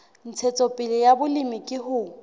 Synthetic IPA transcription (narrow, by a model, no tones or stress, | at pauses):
n̩t͡sʰɛt͡sʼɔpʼɪlɪjabʊlimɪkʼɪɦʊ